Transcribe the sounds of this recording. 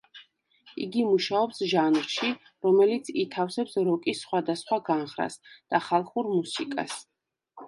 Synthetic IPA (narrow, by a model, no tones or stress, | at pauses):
ḭɡimuʃaɔpsʒanɾʃi | ɾɔmɛlit̪sʰit̪ʰafsɛpsɾɔkʼisːχwad̪asχwaɡanχɾa̰sd̪̥aχalˠχuɾmusikʼa̰s